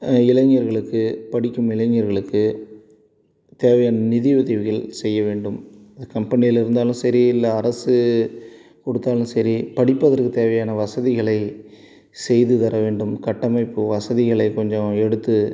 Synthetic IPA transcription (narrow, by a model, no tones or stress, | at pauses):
ɪlɐɲːɐɾɣɐɭɯkːɯpɐɽɪkːɯmɪlɐɲːɐɾɣɐɭɯkːɯ | t̪eːʋɐjaːnɐnɪðɪʋɐðɐʋɪɣɐɭsɛjːɐʋeːɳɖɯmɐðɐkɐmpɐnɪjɪlɪɾɯnd̪aːlɯ̃msɐɾiɪlːɐːɾɐsɯ | kɔɽɯt̪ːaːlɯmsɐɾipɐɽɪpːɐðɐɾkɯt̪eːʋɐjaːnɐʋɐsɐðɪɣɐɭɐɪ | sɛjðɯt̪ɐɾɐʋeːɳɖɯmkɐʈːɐmɐɪpːɯʋɐsɐðɪɣɐɭɐɪkɔɲd͡ʒɔ̃ɛɽɯt̪ːɯ